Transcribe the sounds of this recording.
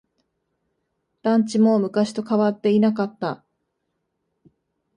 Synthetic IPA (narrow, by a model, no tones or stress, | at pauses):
d̪̥ãɲ̟t͡ɕimo̞mɯ̟kaɕi̥t̪o̞kaβat̪ːe̞inakat̪ːa